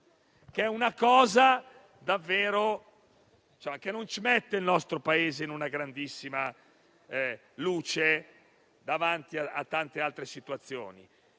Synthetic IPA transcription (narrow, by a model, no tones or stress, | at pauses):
keɛunakɔːza | d̪avːeːɾo | d̪it͡ʃamakenːont͡ʃimet̪ːeilnɔst̪ɾopaeːzeinunaɡɾand̪isːima | luːt͡ʃe | d̪avant̪iaat̪ːant̪ealt̪ɾesit̪uat̪sːjo̰ːnḭ